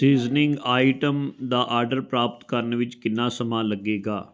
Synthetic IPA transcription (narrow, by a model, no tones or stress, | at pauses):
siːznɪ̃ŋɡaːɪʈəmd̪aːʔaːɾɖəɾpɾaːpt̪kəɾnʋɪt͡ʃkɪnːãːsəmãːləɡeːɡaː